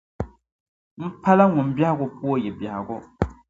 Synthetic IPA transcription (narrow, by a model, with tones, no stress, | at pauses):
m̩˦pʰa˦la˦ŋʊ˨m̩˨bja˦ha˦ɡʊ˨pu˦o˦jɛ˨bja˨ha˨ɡʊ˦